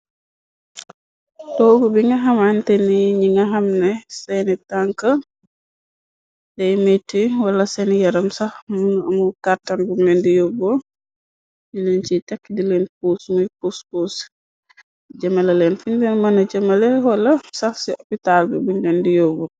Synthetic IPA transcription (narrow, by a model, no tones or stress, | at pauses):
tɔɡubiŋɡɐɦɐmantɛniɲiŋɐɦɐmnɛsɛnitaŋkɐ | dɛjmetːiwɐlɐsɛnijɐɾɐmsɐhmunuɐmukaɾtanbunlɛndijobo | ɲilɛnt͡ʃitɛkːdilɛnpusmujpuspuːs | d͡ʒɐmɐlɐlɛnfuɲdɛnmɐnɐd͡ʒɐmɐlɛwɐlɐsɐhsiopitalbɛbunlɛndijoːbo